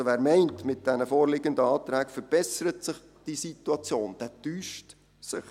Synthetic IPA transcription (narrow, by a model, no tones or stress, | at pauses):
oʋæːɾmɛɪntmɪt̚d̥ɛnəfoːɾlɪɡəndəɑːt̪ɾæːkfəɾb̥ɛsəɾətsɪχ | d̥isituɑt͡sjoːnd̥ɛtyːʃt | sɪ̰χ